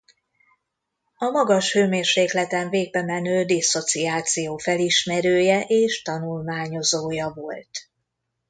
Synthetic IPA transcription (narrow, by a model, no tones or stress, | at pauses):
ɒmɒɡɒʃhøːmeːrʃeːklɛt̪ɛɱveːɡ̚bɛmɛnøːd̪iso̞t̪siaːt̪sijoːfɛliʃmɛɾøːjɛʔeːʃt̪ɒnulmaːɲo̞zoːjɒvo̞̰lt̪